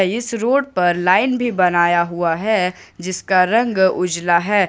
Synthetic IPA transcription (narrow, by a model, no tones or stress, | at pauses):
ɪsɾoːɽpɐɾlaːɪnbʱibɐnaːjaɦuaɦɛ | d͡ʒɪskaɾɐ̃ŋɡʊd͡ʒlaɦɛː